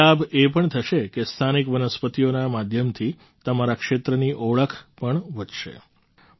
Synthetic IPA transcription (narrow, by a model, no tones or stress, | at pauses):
abepəɳt̪ʰəʃekest̪ʰanikʋənəspət̪ijonamad̪ʱjəmt̪ʰi | t̪əmaɾakʃet̪ɾəniʔoɭəkʰpəɳʋəd͡ʒʃḛ